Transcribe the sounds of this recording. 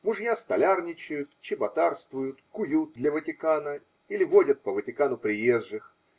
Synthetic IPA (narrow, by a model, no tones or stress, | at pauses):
mʊʐjast̪ɐlʲarnʲɪt͡ɕɪjʊt̪t͡ɕɪbɐt̪arst̪vʊjʊt̪kʊjut̪̚d̪lʲəvətʲɪkanə | ilʲɪvodʲət̪̚pəvətʲɪkanʊpɾʲɪjezʐɨx